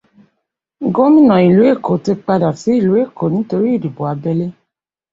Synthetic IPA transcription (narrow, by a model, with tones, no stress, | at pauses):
ɡo˦mĩ˦˨nã˨i˨lu˨˦e˦˨ko˨˦ti˧k͡pa˧da˨si˨˦i˦˨lu˨˦e˦˨ko˨˦nĩ˨˦to˧ɾi˦i˦˨di˨bo˨a˧bɛ˧le˦